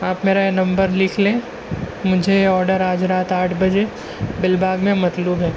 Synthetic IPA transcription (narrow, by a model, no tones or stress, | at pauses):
aːpmeːɾaenɐ̃mbəɾlɪkʰlẽː | mʊd͡ʒʱeɔːɾɖəɾaːd͡ʒɾaːt̪aːʈʰbɐd͡ʒe | bɪlbʱaːɡmẽmɐt̪luːbɦɛː